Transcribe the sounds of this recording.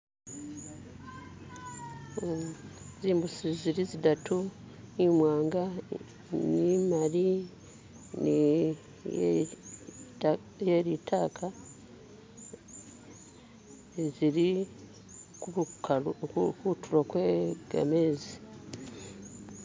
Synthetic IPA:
ziːmbusiziɾizidatʰu | nimwaːŋɡa | nimaɾi | n | jeɾitʰaːkʰa | ziɾi | kuu | kutuɾokweɡ̥a̰meːzi

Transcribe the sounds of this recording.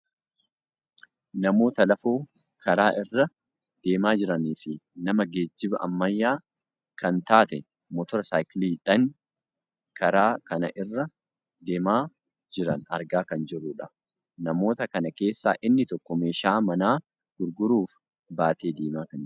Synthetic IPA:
nɐmo̞ːt̪ɐlɐfoː | kʰɐɾaːʔɪrːɐ | d̪̥e̞ːmaːd͡ʒɪɾɐniːfɪnɐmɐɡe̞ːd͡ʒːɪbɐʔɐ̰mːɐjːaː | kʰɐnt̪aːt̪ɛ | mɔt̪ɔɾɐsaːjkliːᶑɐŋ | kʰɐɾaːkɐnɐ̰ʔɪrːɐ | d̪e̞ːmaː | d͡ʒɪɾɐ̰nɐ̰ɾɡaːkɐnd͡ʒɪrːʊːᶑɐ | nɐmo̞ːt̪ɐkɐnɐke̞ːsːa̰ːʔɪnːɪt̪ɔkːɔmeːʃaːmɐnaː | ɡ̥ʊɾɡʊɾuːf | baːt̪eːd̪eːmaːkɐn

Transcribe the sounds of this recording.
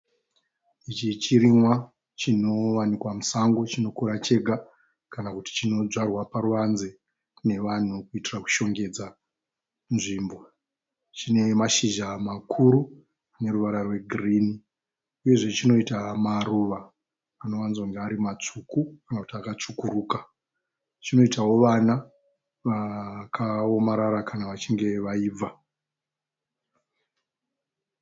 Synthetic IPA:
it͡ʃit͡ʃiɾimwa | t͡ʃino̞ʋanikwamusaŋɡo̞t͡ʃino̞kuɾat͡ʃe̞ɡʱa | kanakuti̥t͡ʃino̞d͡zarwapaɾuʋanze | ne̞ʋan̤ukuitiraku̥ʃo̞ŋɡe̞d͡za | nʐiːmbo̞ | t͡ʃine̞maʃiʒamakʰuɾu | ane̞ruʋaɾarwe̞ɡʱriːni | uje̞ʐe̞t͡ʃino̞itamaruʋaː | no̞ʋanzoŋɡeaɾimat͡ʂukukanakutiakat͡ʂukuɾuːka | t͡ʃino̞itawo̞ʋana | ʋakʰao̞maɾaɾakʰanaʋat͡ʃiŋɡe̞ʋaiːb͡va

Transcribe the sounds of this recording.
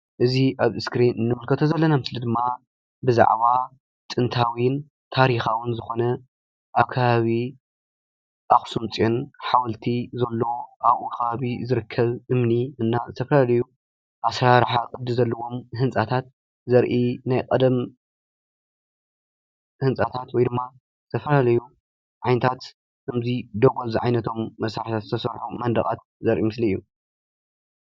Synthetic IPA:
ʔɨziʔaβɨskɾinɨnːɨmulkʰɐt̪ʰozɐlːɐnamɨslid̪ɨmːa | bɨza̰ʕβa | t̪ʼɨnt̪ʰawin | t̪ʰaɾixawʊnzɨxo̞nɐ | ʔaβkʰaβaβi | ʔaxsumt͡sʼonħawɐlt̪ʰizɐlːo̞ʔaβʔuxɐβaβizɨɾɨkʰːɐβʔɨmniɨnːazɨt̪ʰɐfɐlalɐju | ʔasɾaɾħakʼɨd̪ɨzɐlːɐwo̞mhɨnt͡sʼat̪ʰat̪ | zɐɾʔinajkʼɐd̪ɐm | hɨnt͡sʼat̪ʰat̪wɔjd̪ɨmːa | zɨ̥t̪ʰɐfɐlalɐju | ʕajnɐt̪ʰat̪ | ɨmzid̪oɡoziʕajnɐt̪ʰo̞mːɐsɾaħit̪ʰat̪zɨt̪ʰɐsɐɾħumɐnd̪ɐ̰kʼa̰t̪̚ | zɐɾʔimɨsliijːu

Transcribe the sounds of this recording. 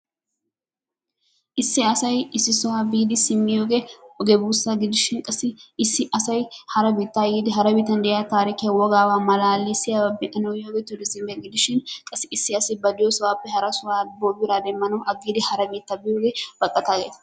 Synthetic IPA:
ʔɪsːɪɐsɐjɪsːɪsɔwaːbiːd̪ɪsɪmːɪjoːɡeɔɡɛbuːsːaɡɪd̪ɪʃɪnkʼɐsɪɪsːɪʔɐsɐjhɐɾɐbiːt̪ːaːjiːd̪ɪɦɐɾɐbiːt̪ːɐnd̪ɛjat̪aːɾɪkɪjɐwɔɡaːwaːmɐlaːlːisɪjababɪʔɐnɐwjoːɡɛt̪ːʊd̪ɪsɪmbɪjɐɡɪd̪ɪʃɪnkʼɐsɪɪsːɪɐsɪbɐd̪ɪjosɐwaːpːɛhɐɾɐsʊwaːboːbɪɾaːd̪ɛmːɐnɐwʔɐɡːiːd̪ɪhɐɾɐbiːt̪ːabɪjoːɡeb̥ɐkʼːɐt̪aːɡeːt̪ɐ̥

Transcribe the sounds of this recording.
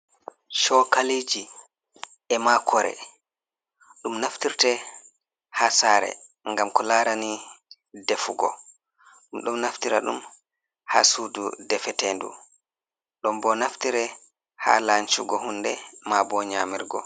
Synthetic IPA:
ʃɔkaliːd͡ʒi | ɛmakʰɔɾɛ̰ | ɗumnaftiɾtɛ | haːsaːɾɛ̰ | ŋɡamkɔlaːɾani | dɛfuɡɔ̰ | ɗumɗumnaftiɾa̰ɗṵm | ha̰ːsuːdudɛfɛtendṵ | ɗɔmbɔnaftiɾɛ | ha̰ːlant͡ʃuɡɔhundɛmabɔɲaːmiɾɡɔ̰

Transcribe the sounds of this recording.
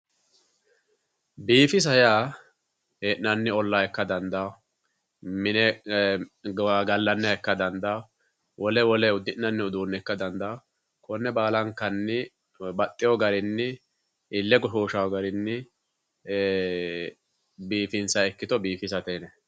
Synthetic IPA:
biːfɪs̬ɐjaː | heʔnɐnːɪɔlːaɛkːɐd̪ɐnd̪ɐ | mɪnɛ | ɡɐlːɐnːɛɛkːɐd̪ɐnd̪a | wʔɔlɛwɔlɛʊd̪ːɪʔnːɐnːɪʊd̪uːnːɛkːɐd̪ɐnd̪ɐ | kɔnːɛbaːlɐŋkːɐnːɪ | bɐt̪ʼːɪjɔɡɐɾɪnːɪ | ʔɪlːɛɡɔʃoːʃawɔɡɐɾɪnːɪ | biːfɪnsɐɛkːɪt̪ɔbiːfɪs̬ɐt̪ɛnɛ

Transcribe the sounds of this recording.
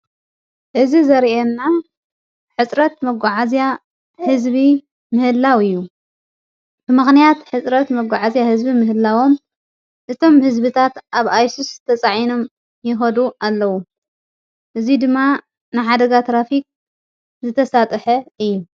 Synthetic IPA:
ʔɨzizɐɾʔenːa | ħɨt͡sʼɾɐt̪mɐɡʷaʕazja | hɨzβi | mɨhɨlːawɨjːu | b̥ɨmɨxnijat̪ħɨt͡sʼɾɐt̪mɐɡʷːaʕazjahɨzbimɨɦɨlːawo̞m | ʔɨt̪ʰo̞mhɨzbɨt̪ʰat̪ʔaβajsist̪ʰɐt͡sʼaʕino̞m | jɪxɐd̪ualːɐwu | ʔɨzid̪ɨmːa | nɨħad̪ɐɡat̪ɾafik̚ | zɨt̪ʰɐsat̪ʼħɐɨjːu

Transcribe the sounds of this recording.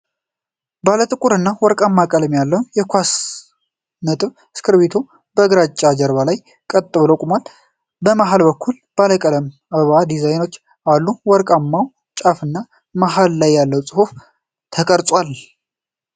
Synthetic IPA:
balət̪ʼɨkʼuɾɨnːawɔɾkʼamːakʼələmjalːəwjɛkʷas | nət̪ʼɨβ | skʰɨɾβet̪ʰo | bəɨɡɾat͡ʃʼːad͡ʒəɾβalaj | kʼət̪ʼːɨβləkʼmwal | bəmaɦalbəkʰːul | b̥aləkʼələm | aβad̪izajno̞t͡ʃː | alːuwɔɾkʼamːaw | t͡ʃʼafɨnːa | maɦalːajːalːəwt͡sʼɨhuf | t̪ʰəkʼəɾt̪ʼwal

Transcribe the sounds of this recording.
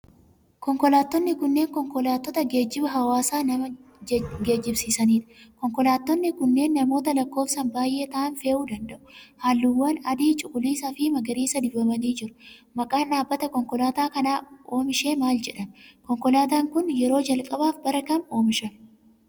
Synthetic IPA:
kɔŋkɔlaːt̪ːɔnːɪkʊnːe̞ːŋkɔŋkɔlaːt̪ːɔt̪ɐɡe̞ːd͡ʒːɪbɐɦɐwaːsaːnɐmɐ | ɡe̞ːd͡ʒːɪbsiːsɐniːᶑkɔŋkɔlaːt̪ːɔnːɪkʊnːe̞ːnːɐmoːt̪ɐlɐkːo̞ːfsɐnbaːjʔe̞ːt̪ɐːʔɐnfe̞ːʔuːd̪ɐnd̪ɐʔʊ̥haːlːɪwːɐnɐd̪iːt͡ʃʼʊkʼʊliːsɐfɪmɐɡɐɾiːsɐd̪ɪbɐmɐniːd͡ʒɪɾʊ̥mɐkʼaːnᶑaːbːɐt̪ɐkɔŋkɔlaːt̪aːkɐnaːo̞ːmɪʃe̞ːmaːld͡ʒɛᶑɐnkɔŋkɔlaːt̪aːŋkʊnjɛɾo̞ːd͡ʒɐlkʼɐbaːfbɐɾɐkɐno̞ːmɪʃɐn

